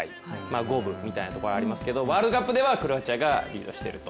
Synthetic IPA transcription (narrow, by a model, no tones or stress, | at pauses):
ai | maːɡo̞ːbɯ̟mʲit̪ainat̪oko̞ɾaɾʲimasɨ̥ke̞d̪o̞βaːɾɯd̪okapːɯ̟d̪e̞βakɯɾɯ̟βat͡ɕaɡaɾʲḭːd̪o̞̰ɕi̥t̪e̞̰ɾɯ̟t̪o̞̥